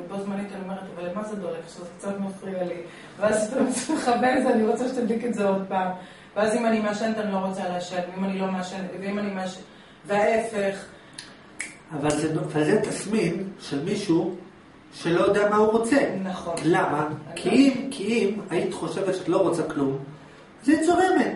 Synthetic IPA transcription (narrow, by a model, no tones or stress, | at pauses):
bozmanit̪alomeʁet̪avalemazed̪oʁekʃezekt͡sat̪mefʁijali | veazʃit̪aʁot͡semeχaveveaniʁo̞t͡seʃet̪ad̪liketzeo̞d̪̚paːm | veazimanimeaʃent̪anilo̞ʁo̞t͡saleaʃenveimanilo̞maʃenveimanimeaʃe | veaefe̞χ | avalzenavalzet̪asminʃelmiʃu | ʃe̞lojod̪eamahuʁo̞t͡senaχonlamakʰiimkʰiimait̪i̥χo̞ʃe̞vet̪ʃeat̪lo̞ʁo̞t͡saklum | zait͡sovemet̪